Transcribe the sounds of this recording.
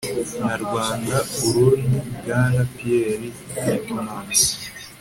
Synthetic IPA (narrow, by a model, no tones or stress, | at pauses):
naɾɡwaːndauɾundiɡaːnapijeɾi | emaːna